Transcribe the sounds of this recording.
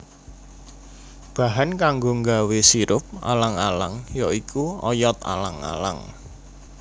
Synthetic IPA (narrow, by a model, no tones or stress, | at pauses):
b̥a̤ɦankaŋɡoŋɡawesiɾʊp̚a̰laŋalaŋjɔikʰuɔ̰jɔt̪̚a̰la̰ŋa̰la̰ŋ